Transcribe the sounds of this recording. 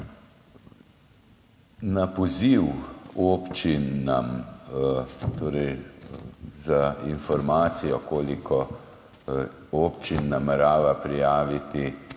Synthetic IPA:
napɔziwoːpt͡ʃinam | t̪oːɾɛj | zainfɔɾmaːt̪sijɔkoːlikʰɔ | oːpt͡ʃinːamɛɾaːʋapɾijaːʋit̪i

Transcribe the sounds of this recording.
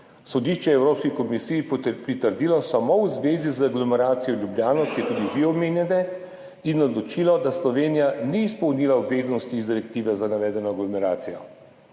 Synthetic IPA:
sɔd̪iʃt͡ʃɛɛwɾoːpskikɔmisiːjpɾit̪əɾd̪iːlɔsamowzʋeːzizaɡlɔmɛɾaːt̪sijɔljubljaːnɔwkijɛt̪ud̪iud̪iɔmeːnjɛnɛ | inɔd̪lɔt͡ʃilɔd̪aslɔʋeːnijaniːspɔwnilaɔbveːznɔst̪iːzd̪iɾɛkt̪iːʋɛzanaʋɛːd̪ɛnɔaɡlɔmɛɾa̰ːt̪sijɔ

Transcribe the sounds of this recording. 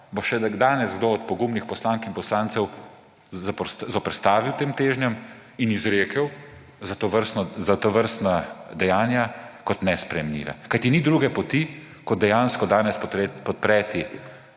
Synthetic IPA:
boʃɛd̪aːnɛzɡd̪oɔt̪̚pɔɡuːmnixpɔslaːŋkinpɔslaːntsɛw | szɔpɾst̪aːʋiwt̪eːmt̪eːʒnjɛm | inizɾeːkəw | zat̪oʋəɾst̪nɔzat̪ɔʋəɾst̪nad̪ɛjaːnjakɔt̪nɛspɾɛjɛmlʲḭːʋɛ̰kajt̪inid̪ɾuːɡɛpɔt̪i | kɔd̪ɛjaːnskɔd̪aːnɛsppɔt̪̚pɾɛːt̪i

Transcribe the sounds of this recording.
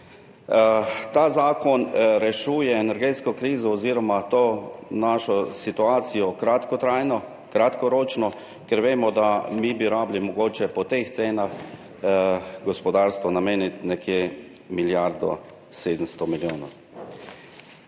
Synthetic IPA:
t̪aːzaːkɔnɾɛʃuːjɛːnɛɾɡeːt̪skɔkɾiːzɔːziːɾɔmat̪oːnaːʃɔsit̪uaːt̪sijɔkɾat̪kɔt̪ɾajnɔ | kɾat̪kɔɾoːt͡ʃnɔ | kɛɾʋeːmɔd̪amibiuɾaːblimɔɡoːt͡ʃɛpɔt̪ext̪seːnax | ɡɔspɔd̪aːɾst̪ʋɔnameːnit̪nɛkje | miljaɾd̪ɔ̰ | seːd̪əmst̪ɔmiljoːnɔ̰w

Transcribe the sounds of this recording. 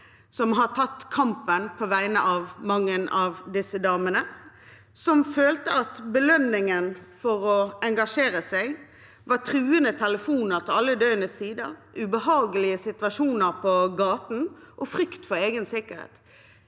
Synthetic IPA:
sɔmɦɑt̪ʰɑt̪ːkʰɑmpənpʰɔʋæɪnəʔɑʋmɑŋːənʔɑʋd̪ɪsəd̪ɑːmənə | sɔmføːlt̪əɑt̪bəlœnːɪŋənfɔʁɔɛŋɡɑʂeːʁəsæɪ | ʋɑʁt̪ʰɾʉːənət̪ʰɛləfuːnəʁt̪ʰɪlɑlːəd̪œʏənəssiːd̪əʁʉbəɦɑːɡəlɪəsɪt̪ʋɑʂuːnəʁpʰɔɡɑːt̪n̩ʔɔfʁʏkt̪fɔɾeːɡənsɪkːəɾhḛːt̪

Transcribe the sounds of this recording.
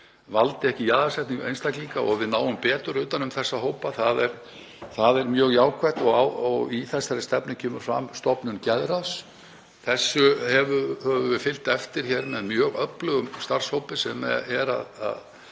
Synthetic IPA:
valt̪ɪɛhcɪjaːðasɛht̪nɪŋejnst̪akliŋkaɔɣvɪðnaːwʏmpɛːt̪ʏɾʏːt̪anʏmθɛsːaɦowpaθaðɛɾ | θaðɛɾmjœːɣjaːwkʰvɛt̪ɔɣawɔɣiθɛsaɾɪst̪ɛpnɪcʰɛːmʏɾ̥fɾa̰mst̪ɔpnʏncɛðɾas | θɛsːʏhɛvʏhɛvʏvɪfɪl̥t̪ɛft̪ɪɾ̥çɛɾmɛðmjœːɣœplʏɣʏmst̪ar̥showpɪsɛmɛ̰ɛɾa̰ða̰ð

